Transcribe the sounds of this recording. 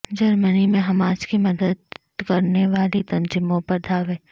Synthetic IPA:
d͡ʒɐɾmənimẽɦɐmaːd͡ʒkimɐd̪əd̪̚ | kɐɾneʋaːlit̪ɐ̃nd͡ʒɪmõpɐɾd̪ʱaːʋẽː

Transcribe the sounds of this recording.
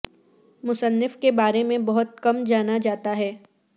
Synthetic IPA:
mʊsənːɪfkebaːɾemẽbɐɦʊt̪̚kɐmd͡ʒaːnad͡ʒaːt̪aɦɛː

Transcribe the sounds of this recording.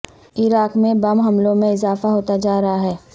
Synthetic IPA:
ɪɾaːkmẽbɐmɦɐmlõmẽɪzaːfaɦoːt̪ad͡ʒaːɾɐɦaɦɛː

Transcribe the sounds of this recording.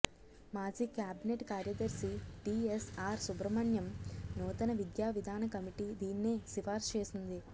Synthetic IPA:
maːd͡ʒiːkjaːbineʈkaːɾjɐd̪ɐɾsiʈiesaːɾsubɾɐmɐɳjɐmnuːt̪ɐnɐʋid̪jaːʋid̪ʱaːnɐkɐmiʈid̪iːnːeːsifaːɾst͡ʃe̞ːsind̪i

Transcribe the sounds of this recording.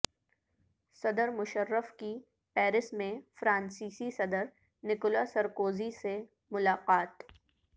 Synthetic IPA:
sɐd̪əɾmʊʃəɾːəfki | pɛːɾɪsmẽfɾãːnsiːsisɐd̪əɾ | nɪkʊlasɐɾkoːzise | mʊlaːqaːt̪

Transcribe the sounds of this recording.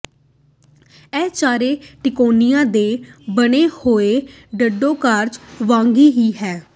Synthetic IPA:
ɛːt͡ʃaːɾeːʈɪkoːnɪjãːd̪eːbəneːhoːeː | ɖəɖːõːkaːɾd͡ʒʋãːŋɡiːɦiːɦɛː

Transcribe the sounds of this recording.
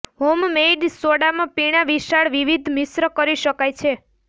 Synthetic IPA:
ɦommeɖsoɽamãpiɽ̃aʋiʃaɭʋiʋid̪ʱmɪsɾəkəɾiʃəkajt͡ʃʰe

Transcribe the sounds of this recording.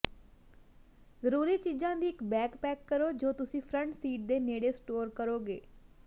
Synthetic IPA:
zəɾuːɾiːt͡ʃiːzãːd̪iːɪkbɛːkpɛːkːəɾoːd͡ʒoːt̪ʊsĩːpʰɾəɳʈsiːʈ̚d̪eːneːɽeːsʈoːɾkəɾoːɡḛː

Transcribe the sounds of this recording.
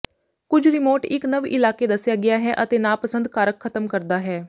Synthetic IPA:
kʊd͡ʒʰɾɪmoːɾʈɪknəʋɪlaːkeːd̪əsjaːɡɪjaːɦɛːʔət̪eːnãːpəsə̃nd̪kaːɾəkʰːət̪əmkəɾd̪aːɦɛː

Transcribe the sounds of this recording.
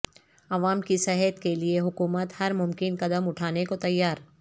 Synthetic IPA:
ɐʋaːmkisɛɦɛt̪kelieɦʊkuːmət̪hɐɾmʊmkɪnqɐd̪əmʊʈʰaːnekot̪ɐjːaːɾ

